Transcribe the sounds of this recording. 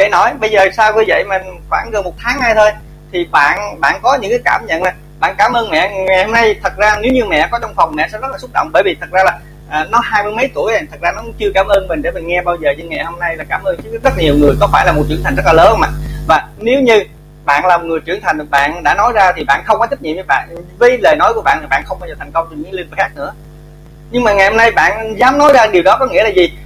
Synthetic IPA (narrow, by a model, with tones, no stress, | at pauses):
kə̰˧˨jnɔ˨˦jɓə˧jzəː˨˩saː˧wvi˧jvə̰˧˨jmə˨˩nxwaː˧˩ŋɣə˨˩nmo˨˩t̚t̪ʰaː˨˦ŋhaː˧jt̪ʰo˧j | t̪ʰi˨˩ɓa̰ː˧˨nɓa̰ː˧˨nkɔ˨˦ɲɨ̰˧˥ŋkaː˨˦jkaː˧˩mɲə̰˧˨nlaː˨˩ | ɓa̰ː˧˨nkaː˧˩mʔəː˧nmɛ̰˧˨ŋa˨˩jho˧na˧jt̪ʰə˨˩t̚zaː˧ne˨˦wɲɨ˧mɛ̰˧˨kɔ˨˦ɔ˧wŋ͡mfɔ˨˩wŋ͡mmɛ̰˧˨sɛ̰˧˥zə˦˥t̚laː˨˩sʊ˦˥t̚ɗo̰˧˨wŋ͡mɓəː˧˩jvi˨˩t̪ʰə˨˩t̚zaː˧laː˨˩ | ʔəː˨˩nɔ˨˦ɦaː˧jmɨ˧jmə˨˦jt̪ṵ˧˩əja˨˩t̪ʰə˨˩k̚zaː˧nɔ˨˦t͡ɕɨ˧əkaː˧˩mʔəː˧nmï˨˩ŋ̟ɗe˧˩mï˨˩ŋŋɛ˧ɓaː˧wzəː˨˩ɲɨ˧ŋaɛ̰˧˨˩ho˧mna˧jlaː˨˩kaː˧˩mʔəː˧ŋɨ˦˥˦zə˦˥˨ɲi˨˩əwŋɨ˨˩əjkɔ˨˦faː˧˩jlaː˨˩m˨˩t̚t͡ɕɨ˧ənt̪ʰa˨˩ŋz̚laː˨ləː˨˦˧ma̰ː˨vaː˨˩ne˨˦wɲɨ˧ | ɓa̰ː˧˨nlaː˨˩m˨˩t̚ŋɨ˨˩əjt͡ɕɨ˧˩ənt̪ʰa˨˩ŋ̟ɓa̰ː˧˨nɗa̰ː˧˥nɔ˨˦jzaː˧t̪ʰi˨˩ɓa̰ː˧˨nxə˧wŋ͡mkɔ˨˦jt͡ɕ̪ə˦˥k̚ɲḭ˧˨mvəː˨˦jɓa̰ː˧˨nvəː˨˦jleː˨˩jnɔ˨˦jku˧˩əɓa̰ː˧˨t̪ʰi˨˩ɓ̰ːnxə˧wŋ͡mɓaː˧wzəː˨˩t̪ʰŋkə˧wŋ͡mt͡ɕe˧nɲḭ˧˥li˧nvə˨˩xaː˦˥k̚nɨ̰˧˥ə | ɲɨ˧ŋmaː˨˩ŋa˨˩jho˧na˧jɓa̰ː˧˨nzaː˨˦mnɔ˨˦jzaː˧ɗi˨˩əwɗɔ˨˦kɔ˨˦ŋḭ˧˥əlaː˨˩zi˨˩